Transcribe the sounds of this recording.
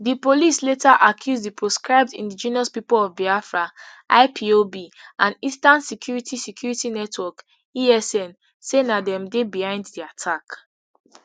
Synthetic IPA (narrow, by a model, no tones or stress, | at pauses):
dipolisletaʔakʰjuzdipɹoskɹaɪb̚dḭ̃ndid͡ʒĩniɔspipolɔvbiafɹaʔa̰ɪpʰiobiʔãnistãnsikʰjuɹitʰisɛkjuɹitinɛtwɔk | iɛsɛ̃n | senadɛ̃mdebihãɪ̃nddiatʰak